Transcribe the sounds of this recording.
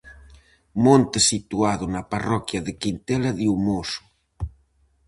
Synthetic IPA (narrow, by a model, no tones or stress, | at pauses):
mõnt̪esit̪uaðʊnaparɔkjaðekint̪ɛlaðiumosʊ̥